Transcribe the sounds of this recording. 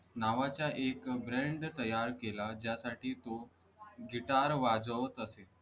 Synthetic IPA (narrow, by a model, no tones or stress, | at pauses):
naʋat͡ɕjaʔekbɾeɳɖt̪əjaɾkelad͡ʑjasaʈiːt̪o | ɡʱiʈaɾʋad͡zəʋət̪əse